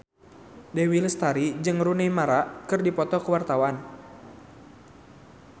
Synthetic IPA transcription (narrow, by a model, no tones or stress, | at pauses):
dewiləst̪aɾid͡ʒɨŋrunɛjmaɾaʔkɨrdipɔt̪ɔkəwart̪awan